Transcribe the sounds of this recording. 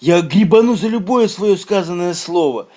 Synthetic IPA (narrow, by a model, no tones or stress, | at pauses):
jaɡɾʲɪbɐnuzəlʲʊbojəsvɐjoskazənːəjəslˠovə